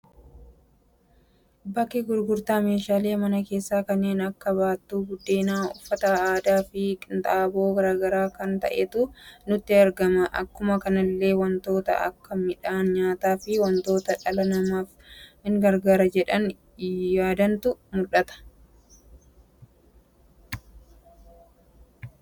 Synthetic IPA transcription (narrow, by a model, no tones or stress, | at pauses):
bɐkːɪɡʊɾɡʊɾt̪aːme̞ːʃaːle̞ːmɐnɐke̞ːsːaːkɐnːe̞ːnɐkːɐbaːt̪ːuːɡʊd̪ːeːnaːʊfːɐt̪ɐaːd̪aːfɪkɪnt̪ʼaːboːɡɐɾaːɡɐɾaːkɐnt̪ɐ̰ʔɛt̪ʊnʊt̪ːɪɐɾɡɐmɐʔɐ̰kːʊmɐkɐnɐlːe̞ːwɐnt̪o̞ːt̪ɐ̰ʔɐ̰kːɐmɪᶑaːnɲaːt̪aːfɪwɐnt̪o̞ːt̪ɐᶑɐlɐnɐmaːfhɪŋɡɐɾɡaːɾɐd͡ʒɛᶑɐn | jaːd̪ɐnt̪ʊmʊlʔɐt̪ɐ̥